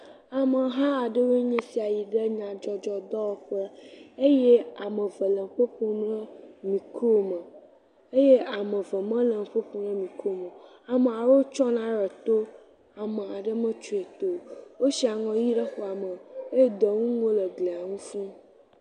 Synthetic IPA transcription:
a˨mə˨ɦã˦a˨ɖə˦wo˦ɲẽ˦si˨a˨ji˨ɖə˦ɲã˨d͡ʒɔ˦d͡ʒɔ˦d̪ɔ˦wɸə˦e˦je˦a˨mə̃˨və˨lə˨ŋ˦ɸə˦ɸo˦n˦ə˦mĩ˨kʰo˦˨mə̃˨ | e˦je˦a˨mə̃˨və˨mə̃˦lə˨ŋ̩˨ɸə˦ɸo˦nə˦mĩ˨ko˦˨mə̃˨ | a˨mə˨a˨wo˦t͡ʃɔ˦nã˦ɾə˨t̪o˦ | a˨mə˨a˨ɖə˦mə̃˦t͡ʃu˦˨e˨t̪o˨wo˦si˦a˨ŋɔ̃˨ji˦ɖə˦xo˦a˨mə˨e˦je˦d̪ɔ˨ŋũ˦ŋo˦lə˨ɡlə˨a˨ŋũ˦fũ˦

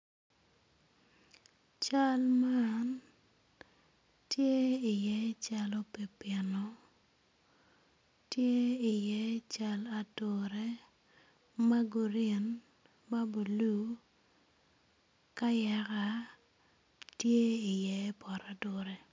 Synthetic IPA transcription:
t͡ʃa˦lma˦n | tje˦ɪ˨jɛ˨˦t͡ʃa˨lo˦pe˨pɪ˨nɔ˨ | tje˦ɪ˨jɛ˨˦t͡ʃa˦la˨do˨ɾe˦ | ma˦ɡu˨ɾe˨n | ma˦bo˨lu˦ | ka˦jɛ˨ka˨ | tje˦i˨jɛ˨˦pɔ˨ɾa˨do˨ɾe˨

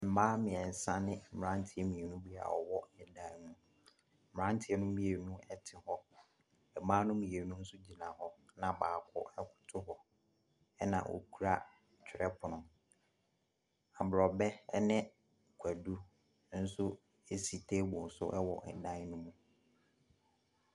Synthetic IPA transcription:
m̩˨baː˦mɪ̃˨ɛ̃˨n̩˨sã˦nɪ̃˦˨ɾã˦n˦tʰɪ˨˦ɛ˦mĩ˨e˨nũ˦bi˦a̰˨ɔ̰˨wɔ˦ɛ˨dã˦˨n˦nũ˦˨ | mɪ˨ɾã˦n˦tʰɪ˦ɛ˦nʊ̃˦mĩ˦e˨nũ˦ɛ˦tʰɪ˨hɔ˦ | ɛ˨mãː˦nʊ̃˦mĩ˨e˨nũ˦n̩˦sʊ˦d͡ʑi˨nã˨hɔ˦nã˨baː˨kʰɔ̰˦ɛ˦kʰʊ̥˨tʰʊ˦hɔ˦ | ɛ˦nã̰˨ʔo̰˨kʰu˦ɾa˦ | t͡ɕʰᶣɪ˨ɾɛ˦pʰʊ˨nʊ̃˨m | a˨bɾɔ˨bɛ˦ɛ˦nɪ̃˦˨ | kʰʷæ˨du˦ | n̩˦sʊ˦ | e˦si˨tʰe˦bʊ̃˨n̩˨sʊ˦ʔɛ˦wɔ˦˨ʔɛ̰˨dã˦nũ˦mũ˨

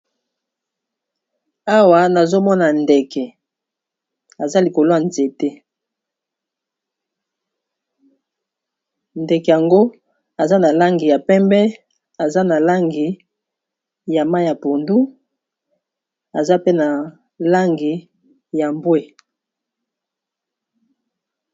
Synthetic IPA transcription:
a˦wa˨na˨zo˦mɔ˦na˨ndɛ˨kɛ˨ | a˨za˦li˨ko˨lo˦ja˨nze˨te˦ | ndɛ˨kɛ˨ja˨ŋɡo˦ | a˨za˦na˨la˦ŋɡi˨ja˨pɛ˦mbɛ˦ | a˨za˦na˨la˦ŋɡi˨ | ja˨ma˦ja˨po˨ndu˦ | a˨za˦pe˦na˨ | la˦ŋɡi˨ | ja˨mbwe˦

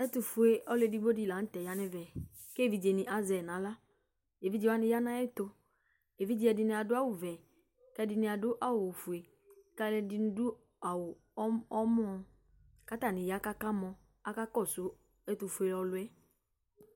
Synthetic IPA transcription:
ɛ˦t̪u˨fu˦e˦ʔɔ˦lʊ˦ɛ˧di˦bo˦di˦˨la˨˦n̩˦t̪ɛ˨ja˨nɛ˦vɛ˨ | ke˦˨vi˨d͡ʒe˨nĩ˨ʔa˨˦zɛ˨nã˨˦la˦ | e˨vi˦d͡ʒe˧wa˦nɪ̃˧ja˦nã˦ɛ˦t̪o˧ | e˨vi˦d͡ʒi˦ɛ˧dɪ˧nɪ̃˧˦a˨dʊ˦a˦wʊ˨vɛ˨ | kɛ˦dɪ˧nɪ̃˧a˨dʊ˦ʔa˦˨wʊ˨fu˨e˨ | ka˦lɛ˧dɪ˧n̩˦dʊ˦ | a˨wʊ˨˦ | ɔ˦mɔ˦˨ | ka˦t̪a˦˨nɪ̃˨ja˦ka˦ka˦mɔ̃˧ | a˦ka˦kɔ˦˨sʊ˨˦ | ɛ˦tu˨fu˨˦e˨˦ɔ˧lʊ˦ɛ˦

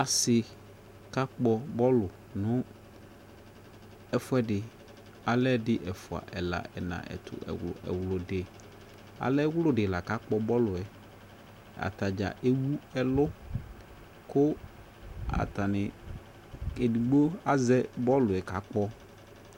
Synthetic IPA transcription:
a˨sɪ˨ | ka˦k͡pɔ˦bɔ˦lʊ˨ | nʊ̃˦ | ɛ˦fʊ˦ɛ˦dɪ˨ | a˨lɛ˦dɪ˦ʔɛ˨fʊ˨a̰˨ʔɛ˨la̰˨ɛ̰˨nã̰˨ʔɛ̰˨t̪ʰʊ̰˨ɛ̰˨wlʊ̰˨ʔɛ̰˨wlʊ˨dɪ˨ | a̰˨lɛ˦wlʊ˦dɪ˨la˨ka˦k͡pɔ˦bɔ˦lʊ˨ɛ˨ | a̰˨t̪a˨d͡ʒa̰˨ʔe˦wu˦ɛ˨lʊ˦ | kʊ˦ | a̰˨ta˨nɪ˨ | e˨di˨ɡ͡bo˦a˦˨zɛ˦bɔ˦lʊ˨ɛ˨ka˨k͡pɔ˦

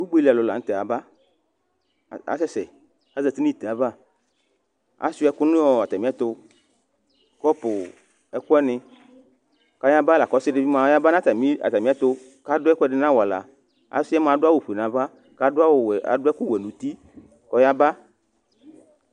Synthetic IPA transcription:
wu˦ɡ͡bu˦i˦li˨a˨lɔ˨la̰˨n̩˦t̪ɛ˨a˨ba˦˨ | a̰˨˦sɛ˦sɛ˨ | a˨˦zɛ˨t̪i˦ni˦˨t̪e˨a˨va˦ | a̰˦si˦ɛ˦kʊ˦nʊ̃˦ɔ˨a˨t̪a˨mĩ˦ɛ˦t̪ʊ˧ | kɔ˦pʊ˨ | ɛ˨kʊ˦ɛ˦nɪ̃˨ | ka˦ja˦ba˦la˨kɔ˨˦sɪ˦dɪ˦vi˦mã˨˦ja˦ba˦nã˦t̪a˨mi˦a̰˨t̪a˨mĩ˦ɛ˦t̪ʊ˦ | ka˦dɛ˦kʊ˦ɛ˦˨ɖɪ˨nã˦wa˨la̰˨ | a̰˨˦si˦ɛ˦mã˨a˨˦dʊ˦a˦wo˨ɸe˨nã˨va˦ | ka˦dʊ˦a˦wa̰˨dʊ˦ɛ˦kʊ˦wɛ˨nũ˨t̪i˦ | kɔ˦ja˦ba˦

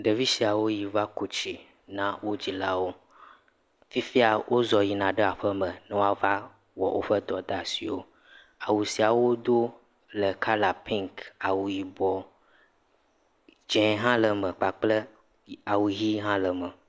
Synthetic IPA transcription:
ɖə˨vi˦si˨a˨wo˦ji˨va˦ko˨t͡ʃi˨ | nã˦wo˦d͡ʑi˨la˦wo˦ | fi˦fi˦a˨wʔo˦zɔ˨ji˨nã˨ɖə˦a˨ɸə˦mə̃˨nə˦wo˦a˦va˦ | wɔ̰˨wʔo̰˦ɸə˦d̪ɔ˨d̪a˨si˨wo˦ | a˨wu˨si˨a˨wo˦d̪o˦ | lə˨kʰa˦la˨pi˦ŋka˨wu˨ji˨bɔ˨ | d͡ʒɛ̃˨˦ɦã˦lə˨mə̃˨k͡pa˨k͡plə˦ | a˨wu˨ɦi˦ɦã˦lə˨mə˨

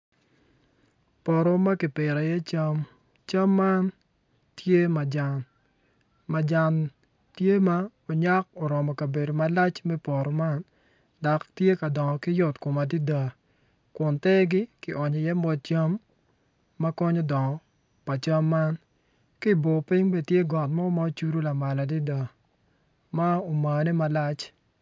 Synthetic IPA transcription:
pɔ˨ɾɔ˦ma˦kɪ˨pɪ˨ɾa˨jɛ˦t͡ʃa˦m | t͡ʃa˦mːa˦n | tje˦ma˨d͡ʒa˨n | ma˨d͡ʒa˨n | tje˦ma˦ | o˨ɲa˦kɔ˨ɾɔ˨mɔ˨ka˨be˨do˨mala˦t͡ʃmɛ˦pɔ˨ɾɔ˦ma˦n | da˨ktje˦ka˨dɔ˨ŋɔ˨kɪ˦jɔ˦˨tko˨ma˨di˦da˨ | kʊ˨ntɛ˦ɡɪ˦kɪ˦ʔɔ˨ɲɔ˨jɛ˦mbɔ˦t͡ʃa˦mː | a˦kɔ˦ɲɔ˦dɔ˨ŋɔ˨ | pa˨t͡ʃa˦mːa˦n | ki˦bo˨pi˦ŋbɛ˨tje˦ɡɔ˨tmɔ˦o˦ma˦o˦t͡ʃu˦ɾu˦la˨ma˨la˨di˦da˨ | ma˦o˨ma˨nɛ˦ma˦la˦t͡ʃ

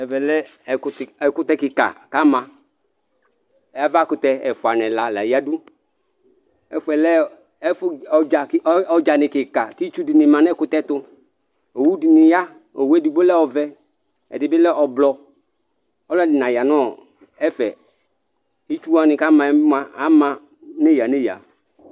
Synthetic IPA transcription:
ɛ˨vɛ˨lɛ˦˨ktɛ˨kʊ˦t̪ɛ˦kɪ˨ka̰˨ka˦mã˨˦ | a˦va˦kʊ˨t̪ɛ˨ɛ˨fʊ˨a˨nɛ˨la˨la̰˨ja˦du˦ | ɛ˦fʊ˨˦ɛ˨lɛ˦ | ɛ˦fʊ˦ɔ˨a˨˦ɔ˦d͡ʒa˨nɪ˨kɪ˨ka˨ki˦t͡ʃu˦dɪ˨nɪ˨mã˨n˦ɛ˦kʊ˦t̪ɛ˦t̪ʊ˦ | o˨wu˦dɪ˨nɪ˨ja˦ | o˨we˦di˨ɡ͡bo˦lɛ˦ɔ˨vɛ˦ | ɛ̰˨dɪ˨bɪ˦lɛ˦ɔ˨blɔ˨ | ɔ˦lɔ˦dɪ˨nã˨ja˨nɔ˦˨ | ɛ˦fɛ˨ | i˦t͡ʃu˦a˨nɪ˨ka˦mã˨˦m˦a˦a˨˦mã˨ | ne˦ja˨ne˦ja̰˨

